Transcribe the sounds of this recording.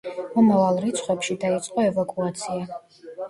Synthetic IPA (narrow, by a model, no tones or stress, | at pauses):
mɔmavalˠɾit̪sʰχwɛpʃid̪ait̪sʼqʼɔɛvakʼuat̪sʰia